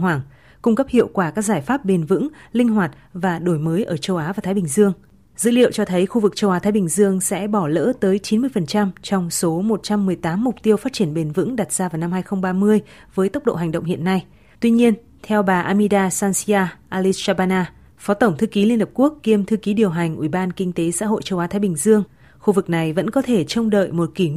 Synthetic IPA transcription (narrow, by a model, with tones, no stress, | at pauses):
waː˧˩ŋ | kʊ˧ŋ͡mkə˦˥p̚hḭ˧˨əwkwaː˧˩kaː˦˥k̚zaː˧˩jfaː˦˥p̚ɓe˨˩nvɨ̰˧˥ŋlï˧ŋ̟ɦwaː˨˩t̚vaː˨˩ɗo˧˩jməː˨˦jʔəː˧˩t͡ɕə˧wʔaː˨˦vaː˨˩t̪ʰaː˨˦ɓï˨˩ŋ̟zɨ˧əŋ | z̥ɨ̰˧˥lḭ˧˨ə˨wt͡ɕɔ˧t̪ʰə˨˦jxu˧vɨ˨˩k̚t͡ɕə˧wʔaː˨˦t̪ʰaː˨˦jɓï˨˩ŋ̟zɨ˧əŋsɛ̰˧˥ɓɔ˧˩lə̰ː˧˥t̪əː˨˦jt͡ɕi˨˦nmɨ˧əjfə˨˩nt͡ɕa˧mt͡ɕɔ˧wŋ͡mso˨˦mo˨˩t̚t͡ɕa˧mːɨ˨˩əjt̪aː˨˦mːʊ˨˩k͡p̚t̪i˧əwfaː˦˥t̚t͡ɕi˧˩ənɓe˨˩nvɨ̰˧˥ŋɗa˨˩t̚zaː˧vaː˨˩wna˧mhaː˧jxə˧ŋ͡mɓaː˧mɨ˧əjvəː˨˦jt̪ə˦˥k͡p̚ɗo̰˧˨ɦa˨˩ŋ̟ɗə̰˧˨ŋ͡mhḭ˧˨ənːa˧j | t̪wi˧ɲi˧ən | t̪ʰɛ˧wɓaː˨˩ʔaː˧mi˧ɗaː˧saː˧nsi˧aː˧ʔaː˧li˧t͡ɕaː˧ɓaː˧naː˧ | fɔ˨˦t̪ə˧˩wŋ͡mt̪ʰɨ˧ki˨˦li˧ənhə˨˩p̚ku˦˥əkːi˧əmt̪ʰɨ˧ki˨˦ɗi˨˩əwɦa˨˩jŋ̟ʔwi˧˩ɓaː˧nkï˧ŋ̟t̪e˨˦sa̰ː˧˥ɦo̰˧˨jt͡ɕə˧˩wʔaː˨˦t̪ʰaː˨˦jɓï˨˩ŋ̟zɨ˧əŋ | xu˧vɨ˨˩k̚na˨˩jvə̰˧˥nkɔ˨˦t̪ʰe˧˩t͡ɕə˧wŋ͡mɗə̰ː˧˨jmo˨˩t̚ki˧˩